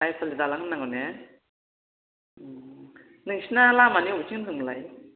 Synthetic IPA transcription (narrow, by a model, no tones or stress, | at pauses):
ajpʰalidalaŋnːaŋane | nɯŋsinalamanibut͡ʃiŋnnɯŋlaj